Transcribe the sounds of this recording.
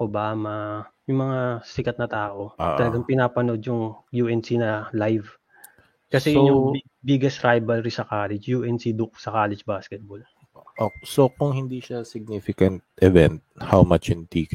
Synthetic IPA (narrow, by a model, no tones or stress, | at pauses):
kobaːmɐjʊŋmɐŋasɪkɐt̪̚nɐt̪aːʔo̞ʔʔ̪ɐlɐɡaŋpɪnaːpɐno̞d̪jʊŋjuʔɛnsinɐlajv | kɐsɛjʊŋ | biɡɛsɾajbɐlɾisɐkaːlɛd͡ʒjuʔɛnsid̪ʊk̚sɐkaːlɛd͡ʒbaːskɛt̪̚bol | ʔosokʊŋhɪnd̪iʃɐsɪɡ̚nifɪkɐnt̪̚ʔɛvɛnt̪̚hawmat͡ʃhɪnt̪ik